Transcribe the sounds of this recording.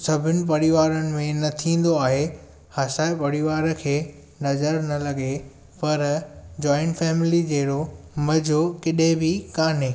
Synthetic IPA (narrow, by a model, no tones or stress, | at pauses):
sɐbʱɪnɪ̆p̬ɐɽiʋaːɾənɪ̆mẽnɐt̪ʰĩːn̆d̪oaːɦe | hɐsaːɪpɐɽiʋaːɾə̆kʰeː | nɐzəɾnɐlɐɡe | pɐɾd͡ʑɔːɪ̃ɳʈfɛːmɪlid͡ʑeːɾomɐd͡ʑʱokɪɗẽbɪkaːneː